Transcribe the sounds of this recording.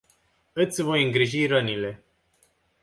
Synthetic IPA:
ɨt̪sʲvo̞jɨŋɡɾiʒiɾənile̞

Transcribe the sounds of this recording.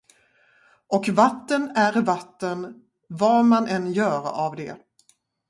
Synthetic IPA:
ʔɔkvat̪ːənæɾvat̪ːən | vɑmanʔɛnjœːɾavd̪ɛ̰

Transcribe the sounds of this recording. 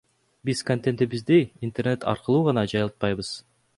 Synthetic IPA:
bizkont̪ent̪ebizd̪iint̪erne̞t̪ʰɑ̰ɾqɯlˠuːʁɑnɑd͡ʒɑjlˠɯt̪̚pɑjβɯz̥

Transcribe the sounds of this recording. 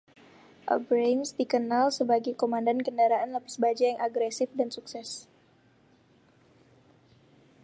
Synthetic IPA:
ʔə̰bɾemsdikənalsəbaɡajkomandankəndaɾaʔanləpasbad͡ʒajaŋʔaɡɾɛsɪfdansuksɛs

